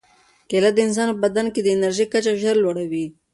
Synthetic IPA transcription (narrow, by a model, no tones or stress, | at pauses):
kelat̪̚d̪əɪns̬ɑnpəbad̪anked̪əɪnaɾʒikat͡ʃaʒəɾlwaɽawi